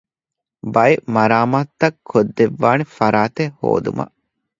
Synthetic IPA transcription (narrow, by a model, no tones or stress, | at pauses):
bɐjemɐɾaːmaːt̪ːɐkʰːod̪ːeʋːaːnefɐɾaːt̪eho̰ːd̪ṵmɐ̰ʔ